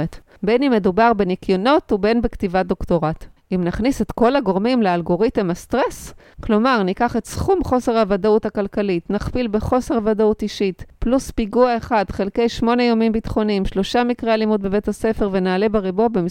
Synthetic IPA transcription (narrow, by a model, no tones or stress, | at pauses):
et | benime̞dubaʁbenikjono̞tube̞nbektivado̞kto̞ʁatimnaχnisetko̞laɡo̞ʁmimlealɡo̞ʁitemastʁes | klo̞maʁnikaχetsχumχo̞se̞ʁhavadauthakalkalitnaχpilbe̞χo̞se̞ʁavadautiʃitpluspiɡuaeχadχe̞lkejʃmo̞nejamimbitχo̞nimʃlo̞ʃamikʁealimud̚be̞ve̞thase̞fe̞ʁve̞naːle̞beʁibo̞bemi